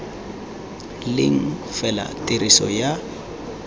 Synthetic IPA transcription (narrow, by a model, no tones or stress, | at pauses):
lɪŋ̩fɛla̰tʼirisɔja